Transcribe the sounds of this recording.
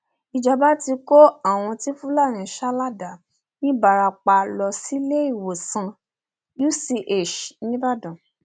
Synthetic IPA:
i˨d͡ʒa˨ba˨˦ti˧ko˦a˦˨w̃ɔ̃˧ti˦fũ˦la˦˨ñĩ˨ʃa˦la˦˨da˨ | nĩ˦ba˨ɾa˧k͡pa˧lɔ˧si˦le˦i˦˨wo˨sã˧ | ju˦si˧ʔe˦˨ʃnĩ˦ba˦˨dã˨

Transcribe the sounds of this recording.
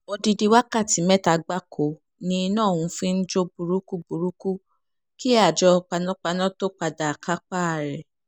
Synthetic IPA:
o˧di˧di˧wa˦ka˦˨ti˨˦mɛ˦ta˧ɡ͡ba˦kʰo˨ | nĩ˧nãː˦˨wũ˧fĩ˦n̩˦d͡ʒo˦bu˨ɾu˦ku˦bu˨ɾu˦ku˦ | ki˦a˦˨d͡ʒɔ˧k͡pa˧nɔ̃˦k͡pa˧nɔ̃˦to˦k͡pa˧da˨a˨kʰa˦k͡pa˦a˨ɾɛ˨

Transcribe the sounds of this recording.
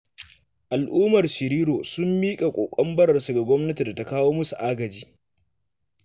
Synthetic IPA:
ʔa˨lʔuː˦mɐ˨rʃɪ˨ɾiː˦ɾoː˨sʊ˦mːiː˦kʼa˨kʷʼoː˨kʷʼɔ˦mbɐ˦ɽɐ˨rsu˨ɡa˨ɡʷɔ˦mnɐ˦ti˨da˨ta˦kaː˦woː˦mʊ˦su˨ʔaː˦ɡɐ˨d͡ʒiː˦

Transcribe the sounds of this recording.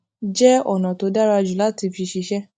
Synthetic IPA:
d͡ʒɛ˦ɔ˨nã˨to˧˦da˦ɾa˦˧d͡ʒu˨la˦ti˧fi˧ʃi˧ʃɛ˦

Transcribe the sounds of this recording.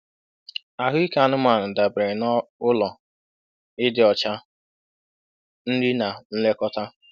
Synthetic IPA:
a˨ɦʊ˦i˦ka˨nʊ˦ma˨nʊ˨da˨bɾɪ˨nɔ˦ʊ˦lɔ˨ | ɪ˦dɪ˨ɔ˨t͡ʃa˦ | n̩˦dɪ˦na˨n̩˦le˦kɔ˦ta˦

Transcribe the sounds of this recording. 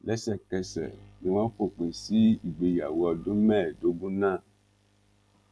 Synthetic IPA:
lɛ˦sɛ˦˨kɛ˧sɛ̰˨nĩ˨wã˦ɸo˦k͡pe˨si˦i˨ɡ͡be˨ja˨wɔ˨do˦mɛ̃˦˨do˦ɡũ˦nã˦˨

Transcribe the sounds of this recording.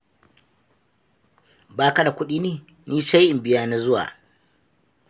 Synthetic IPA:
baː˦ka˦da˨kʷʊ˦ɗiː˦neː˦˨ | niː˦sa˦jʔɪ˨mbɪ˦jaː˦na˦zʊ˦wa̰ː˨

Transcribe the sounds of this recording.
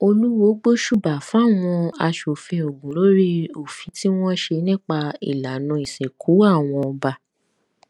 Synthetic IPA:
o˧lu˦wo˨˦ɡ͡bo˦ʃu˦˨ba˨fw̃ɔ̃˧a˧ʃo˨fẽ˧o˨ɡũ˨lo˨˦ɾi˦o˨fĩ˨˦ti˦w̃ɔ̃˦ʃe˧nĩ˦k͡pa˧ḭ˨la˨nũ˧i˨sẽ˨kʰu˨˦a˦˨w̃ɔ̃˧ɔ˧ba˧

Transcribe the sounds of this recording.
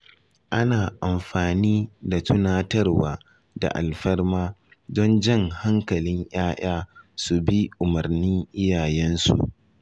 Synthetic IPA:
ʔa˦naː˨ʔa˨mɸaː˨niː˦da˨tʊ˦naː˦tɐ˦rwaː˨ | da̰˨ʔa̰˨lɸɐ˦rmaː˦ | dɔ˦nd͡ʒɐ˦˨ŋha˦ŋkɐ˨lɪ˦ɲj̰aː˦jʔaː˦su˨bi˦ʔʊ˨mɐ˨rni˦ŋʔɪ˦jaː˨jɛ˦nsṵ˨ʔ

